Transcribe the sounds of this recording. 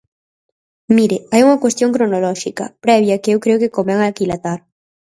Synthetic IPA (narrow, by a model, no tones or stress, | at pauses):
miɾɪajuŋɐkwest̪joŋkɾonolɔʃikɐ̰pɾɛβ̞jɐkɪewkɾeokɪkomɛŋalkilat̪aɾ